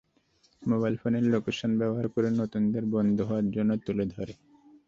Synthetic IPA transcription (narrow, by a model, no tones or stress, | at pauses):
mobajlfoneɾlokeʃonbɛboɦaɾkoɾenot̪und̪eɾbɔnd̪ʱoɦoaɾd͡ʑonːot̪uled̪ʱɔɾe